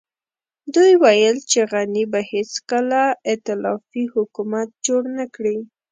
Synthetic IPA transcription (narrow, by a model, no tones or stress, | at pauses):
d̪ujwajəlt͡ʃeɣanibahet͡skəlaɪt̪ɪlɑfihʊkumat̪̚d͡ʒoɽnakɽi